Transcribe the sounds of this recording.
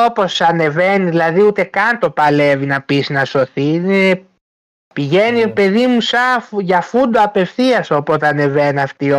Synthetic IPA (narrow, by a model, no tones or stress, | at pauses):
opo̞sɐne̞ve̞niðilɐðiut̪e̞kɐnt̪o̞pɐle̞vinɐpisnɐso̞θiine | piʝe̞nipe̞ðimusɐfʝɐfund̪oɐpe̞fθiɐso̞pot̪ɐne̞venɐft̪io